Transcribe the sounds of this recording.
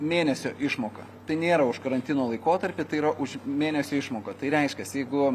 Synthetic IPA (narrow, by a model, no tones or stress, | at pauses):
mʲeːnʲɛsʲoːʔɪʃmoːkɐ | t̪ɐɪnʲeːɾɐʊʃkɐɾɐnʲt̪ʲɪnoːlˠɐɪkoːt̪ɐɾʲpʲɪt̪ɐɪiɾɐʔʊʃmʲeːnʲɛsʲoːɪʃmoːkɐt̪ɐɪɾʲɛɪʃʲkʲɛsjɛɪɡʊ